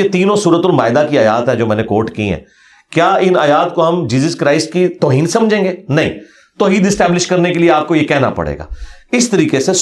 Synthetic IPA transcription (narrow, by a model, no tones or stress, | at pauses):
et̪iːnõsuːɾət̪ʊlmaːɪd̪akiaːja̰ːt̪ɦɛ̃d͡ʒoːmɛ̃ːnekoːɾʈkḭɦɛ̰ː | kjaːɪnaːjaːt̪koɦɐmd͡ʒiːzəskɾaːɪsʈkit̪ɔːɦiːnsɐ̃md͡ʒʱẽːŋɡeːnɐɦĩ | t̪ɔːɦiːd̪ɪsʈɛːblɪʃkɐɾnekelieaːp̚kojekɛɦna̰pɐ̰ɽ̤ḛːɡa̰ːɪst̪əɾiːkese